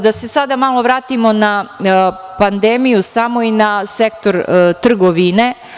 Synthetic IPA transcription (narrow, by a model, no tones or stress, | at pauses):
d̪ase̞sad̪amalˠo̞ʋɾaːt̪imo̞na | pand̪e̞mijusamo̞inase̞kt̪o̞ɾt̪r̩ɡoʋine̞